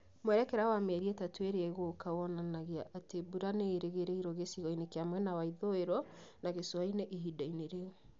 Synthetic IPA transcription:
mwɛɾɛkɛɾawamɛɾiɛtatweɾeɛɣokawɔnanaɣeaʔatebuɾaneːɾeɣeɾeiɾɔɣesiɣɔinekeamwɛnawaiðoeɾɔnaɣeswaineʔiɦidaineɾeo

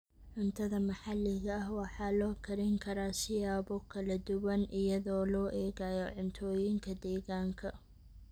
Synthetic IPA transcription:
ʕʊnt̪ʰɐðɐmɐħɑlːɪɣɐɐhwɑħɑːlɔːkʰɐɾɪŋkʰɐɾaːsɪjaːbɔkʰɐlɐd̪ʊwɐnʔɪjɐðɔːlɔːʔɛːɣajɔʕʊnt̪ʰɔːjɪŋkʰɐd̪ɛːɣaːŋkʰɐ

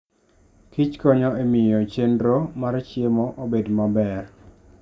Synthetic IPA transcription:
kit͡ʃkɔɲɔemɪjɔt͡ʃendɾomaɾt͡ʃjemɔʔobedmabɛr

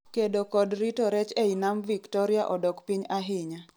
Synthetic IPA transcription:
kedokɔdɾitoɾɛt͡ʃeinamviktɔɾjaʔɔdɔkpiɲaɦɪɲa

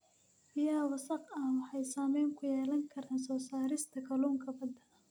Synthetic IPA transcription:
bɪjaːwɐsɐqɐwɑħɑjsaːmɛjŋkʰʊjɛːlɐŋkʰɐɾaːnsɔːsaːɾɪst̪ʰɐkʰɐluːŋkʰɐbɐd̪ɐ

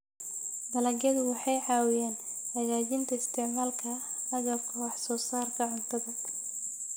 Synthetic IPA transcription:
d̪ɐlɐɡɐðʊwɑħɑjʕɑːwɪjaːn | hɐɣaːt͡ʃɪnt̪ʰɐɪst̪ʰɛʕmaːlkʰɐɐɣɐkʰɔwɑħsɔːsaːrkʰɐʕʊnt̪ʰɐðɐ

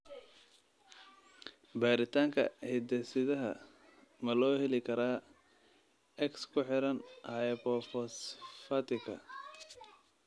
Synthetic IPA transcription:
baːɾɪt̪ʰaːŋkʰɐ̰hɪd̪ɛsɪðɐɦɐ | mɐlɔːhɛlɪkʰɐɾaː | ʔɛkskʰʊħɪɾɐnhɐpɔfɔsfɐt̪ɪkʰɐ̰

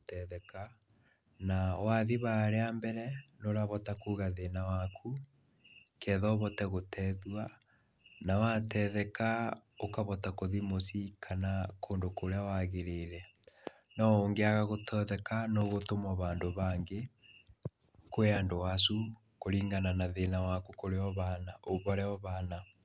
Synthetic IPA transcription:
tɛðɛka | nawaðiβaɾeambɛɾɛnoɾaβɔtakuːɣaðenawakʰu | kɛðɔβɔtɛɣotɛðwa | nawatɛðɛkaokaβɔtakoðimosikʰanakoːndokoɾeawaɣeɾeɾɛ | nɔoŋɡeaɣaɣotʰɔðɛkanoɣotomɔβaːndoβaːŋɡe | koeandowasu | koɾiːŋɡananaðenawakukoɾeɔβanaʔoβɔɾɛɔβana

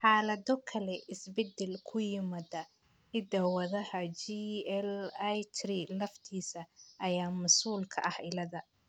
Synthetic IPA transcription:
ħaːlɐðɔkʰɐlɛʔɪsbɛd̪ɛlkʰʊjɪmɐdɐ | ɪd̪ɐwɐðɐhɐt͡ʃiɛljt͡ʃɾilɐft̪ʰiːsɐʔːjaːmɐsuːlkʰɐ̰ʔɐhɪlɐðɐ

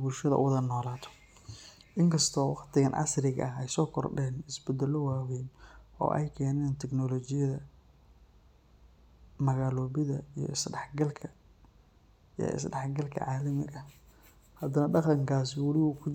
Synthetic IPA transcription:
bʊlʃɐðɐ̰ʔʊ̰wðɐnɔːlaːt̪ʰɔ̥ | ʔɪŋkʰɐst̪ʰɔːwɑqt̪ʰɪɣɐnʕɑ̰srɪɣɐ̰ʔɐɦɛjsɔːkʰɔrɖɛːnɪsbɛd̪ɛlɔwaːwɛnɔ̰ːʔɛ̰jkʰɛːnɛːnt̪ʰɛɡnɔlɔt͡ʃɪjɐðɐ | mɐɣaːlɔːβɪðɐijɔ̰ɪsɖɛħɡɐlkʰɐ | ijɔ̰ʔɪ̰sɖɛħɡɐlkʰɐ̰ʕaːlɐmɪ̰ɣɐ | hɐd̪ɐnɐɖɑqɑŋkʰaːsɪwɑlɪuːkʰʊ

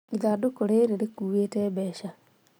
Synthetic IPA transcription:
iðadokoɾeɾeɾekuːweːtɛbɛʃa

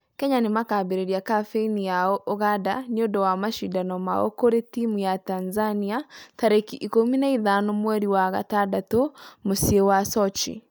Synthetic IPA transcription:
kɛɲanemakabeɾeɾiakafeinijaɔʔoɣada̰niodɔwamaʃidanɔma̰ɔ̰koɾetimujatanzaniataɾekiʔikominaiðanomwɛɾiwaɣa̰tadatomosiewasɔt͡ʃḭ

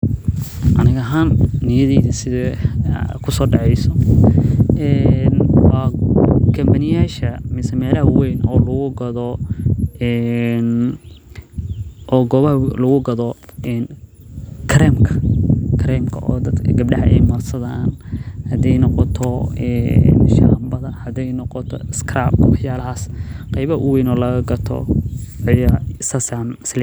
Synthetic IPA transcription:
ʔɐnɪɣɐɦaːnːɪjɐðɛjðɐsɪðɐ | kʰʊsɔːɖɑʕɛjsɔ | ɛnwɑːkʰɐmbɐnɪjaːʃɐmɪsɛmɛːlɐhɐwɛjnʔɔːlʊɣʊɡɐðɔ | ɛn | ʔɔːɡɔːβɐɦɐlʊɣʊɡɐðɔʔɛn | kʰɾɛmkʰɐ̥kʰɾɛmkʰɐ̰ʔɔ̰ːd̪ɐd̪ɡɐb̚ɖɐħɐɛjmɐrsɐðaːnhɐd̪ɛjnɔqɔt̪ʰɔɛʃahmbɐðɐhɐd̪ɛjnɔqɔt̪ʰɔ̰ɪskʰɾab̚wɑħjaːlɐɦaːsqɑjβɐhɐʔʊwɛjnɔːlɐɣɐɡɐt̪ʰɔ̰ | jɐsɐsanɪslɛ

